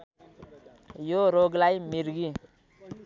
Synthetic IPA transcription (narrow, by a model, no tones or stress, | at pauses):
joɾoɡlajmiɾɡi